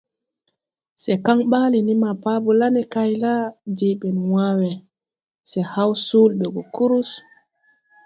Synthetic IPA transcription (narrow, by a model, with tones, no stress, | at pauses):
sɛka˦ŋɓaː˦lini˦ma˨paː˦bu˨la˦nɛ˨kajla˦d͡ʒeɓɛ˨nwawɛ˨ | sɛ˨ha˦wsuː˦lɓɛ˨ɡɔ˨ku˦ɾu˦s